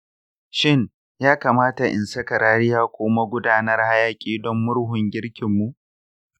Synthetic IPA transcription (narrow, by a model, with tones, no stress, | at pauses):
ʃɪ˦ŋ | jaː˦kaː˨maː˦ta˨ʔɪ̰˨nsɐ˦kɐ˨ɾaː˦ɾɪ˦jaː˦kʷʊː˦ma˦ɡʷʊ˦daː˦nɐ˦rha˦jaː˦kʲʼiː˨dɔ˦mːʊ˦ɽɦʊ˨ŋɡʲɪ˦ɽkʲɪ˨mːu˨ʔ